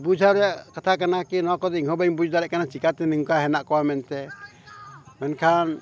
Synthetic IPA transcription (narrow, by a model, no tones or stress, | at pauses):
bud͡ʒʱaɾɔjaʔkat̪ʰakanakinɔwakɔd̪ɛiŋɦɔbaŋbud͡ʒd̪aɾɛʔkanat͡ʃikat̪ɛnɯŋkaɦɛnaʔkɔwamɛnt̪ɛ | mɛnkʰan